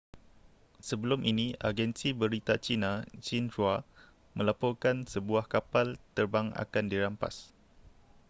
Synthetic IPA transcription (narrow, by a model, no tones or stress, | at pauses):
səbəlʊmʔinĩa̰ɡɛnsibəɾit̪at͡ʃinãt͡ʃinrwa | mʔə̃lapɔrkansəbuahkapalt̪ərbaŋa̰kandiɾampa̰s